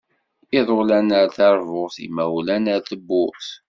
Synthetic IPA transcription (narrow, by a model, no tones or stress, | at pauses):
iðˤolænəɾθɑɾˤvoʁθḭmæwlænəɾθəbːʊθ